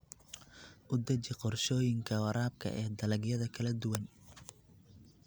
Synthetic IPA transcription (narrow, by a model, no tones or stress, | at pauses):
ʔʊd̪ɐt͡ʃɪqɔrʃɔːjɪŋkʰɐwɐɾaːb̚kʰɐ̰ʔɛːd̪ɐlɐɡjɐðɐkʰɐlɐd̪ʊwɐn